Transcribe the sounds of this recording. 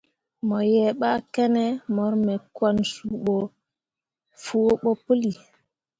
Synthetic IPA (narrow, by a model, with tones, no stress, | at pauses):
mɔ˨jɛ˨ɓa˦kɛ˦nɛ˦mɔ˨˦ɾmɛ˨kwa˦nsu˨ɓɔ˨ | fu˦o˦ɓɔ˦pə˦li˨